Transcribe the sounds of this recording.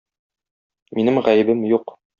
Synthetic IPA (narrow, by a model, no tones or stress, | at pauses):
minɘmʁæjɘ̆bɘmjuq